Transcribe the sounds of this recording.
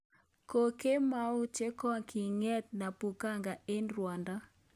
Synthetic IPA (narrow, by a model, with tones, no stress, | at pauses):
ko˨ke˦ma˦u˦t͡ʃe˦kɔ˦ŋkʰi˨ŋɛ˦t̪̚na˨pu˨ka˦ŋɡa˨e˦nɾwa˨nda˦